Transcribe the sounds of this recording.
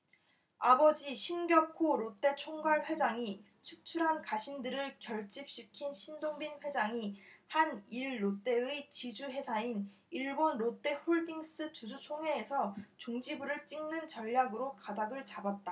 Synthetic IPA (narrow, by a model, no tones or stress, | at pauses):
abʌd͡ʑiɕʰinɡjʌkʰoɾot͈e̞t͡ɕʰoŋɡwaɭɸwe̞d͡ʑaŋi | t͡ɕʰuk̚t͡ɕʰuɾɦankaɕʰindɯɾɯɭkjʌɭt͡ɕ͈ip̚ɕ͈ikʰinɕʰindoŋbinɸwe̞d͡ʑaŋihaniɭːot͈e̞ɯt͡ɕid͡ʑuɦwe̞sʰain | iɭbonɾot͈e̞ɸoɭdiŋs͈ɯt͡ɕud͡ʑut͡ɕʰoŋwe̞ːsʰʌt͡ɕoŋd͡ʑibuɾɯɭt͡ɕ͈iŋnɯnt͡ɕʌʎːaɡɯɾokadaɡɯɭt͡ɕabat̚t͈a